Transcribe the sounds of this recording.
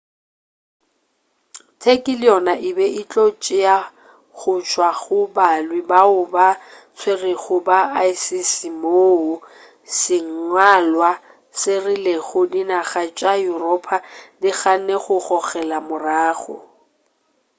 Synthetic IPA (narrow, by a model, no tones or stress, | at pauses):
tʰekʼɪlɪjɔnaʔɪbɛit͡ɬʼot͡ʃʼɪja | ɣʊt͡ʃʰwaɣʊbalwɪbaʊba | t͡sʰwerɪɣʊbaaisisimoːʊ | sɪŋ̩ŋwalwa | sɪrɪleɣʊdinaɣat͡ʃʼajurɔpʰadɪɣaneχʊχɔɣɛlamʊraːχʊ̰